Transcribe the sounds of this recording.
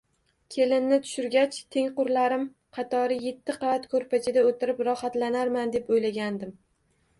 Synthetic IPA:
kʲʰe̞lɪnnɪt̪ʰʊ̥ʃʊɾɡʲat͡ʃt̪ʰe̞ŋqʊɾlaɾɪm | qʰɑt̪ʰɒɾɪje̞t̪ʰːɪqʰɑvat̪kʰɵɾpat͡ʃʰɪd̪aot̪ʰɪɾɪpɾɒhat̪lanaɾmand̪e̞pojlaɡʲand̪ɪm

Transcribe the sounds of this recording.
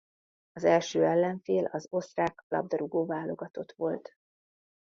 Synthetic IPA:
ɒzɛlʃøːɛlːɛɱfeːlɒzo̞st̪raːklɒ̰b̚d̪ɒɾuɡoːvaːlːo̞ɡɒt̪o̞t̪ʋo̞lt̪

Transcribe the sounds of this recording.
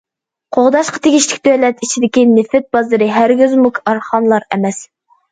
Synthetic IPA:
qʰoʁd̪ɑʃqɑ̥t̪ʰeɡʲiʃlɪ̥kʲd̪ølɛt̪it͡ʃʰid̪ɪkʲinɪfɪt̪̚bɑzɨɾɨɦæɾɡʲyzmukʰɑɾχɑnlˠɑɾɛ̰mɛs

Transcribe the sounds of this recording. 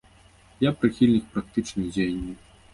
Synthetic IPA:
japɾɨxʲilʲnʲik̚pɾak̚t̪ɨt͡ʂnɨjd͡zʲejɐnʲːiw

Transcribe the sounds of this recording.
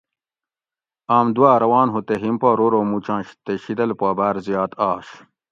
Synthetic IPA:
aːmd̪uwaːɾɐwaːnɦut̪eɦimpaːɾoɾoːmut͡ɕãːnɕt̪eɕid̪ɐlpaːbaːɾzijaːt̪aːɕ

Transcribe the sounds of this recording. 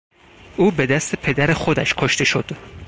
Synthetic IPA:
ʔuːbe̞d̪æst̪ʰepʰe̞d̪æɾexod̪æʃkʰoʃt̪e̞ʃod̪̥

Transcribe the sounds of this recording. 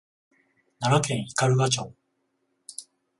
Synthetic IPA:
naɾakẽ̞ɰ̃ikaɾɯ̟ɡat͡ɕo̰ː

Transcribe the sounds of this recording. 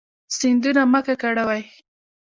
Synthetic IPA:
sɪnd̪unamakakaɽawaj

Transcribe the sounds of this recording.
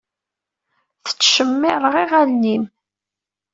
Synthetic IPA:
θə̥t͡sːʃəmːɪɾˤəʁiʁælnim

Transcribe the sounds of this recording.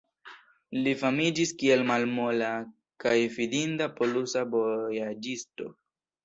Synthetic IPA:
lifamid͡ʒiskie̞lmalmola | kajvidindapo̞lusabo̞jad͡ʒisto̞̰

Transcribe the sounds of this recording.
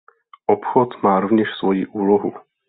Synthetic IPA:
ʔopxot̪maːɾovɲɛʃsvo̞jḭʔuːloɦu

